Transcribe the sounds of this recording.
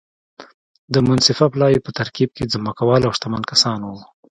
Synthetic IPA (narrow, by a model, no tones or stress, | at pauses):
d̪əmʊnsɪfaplɑwepət̪aɾkib̚ked͡zməkawɑlawʂt̪amankasɑnwu